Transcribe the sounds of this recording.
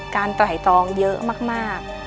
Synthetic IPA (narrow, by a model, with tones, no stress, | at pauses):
kaː˧nt̪a˧˩ɦa˨˩jt̪ɔː˧ŋjəː˦˥maː˥˩k̚maː˥˩k̚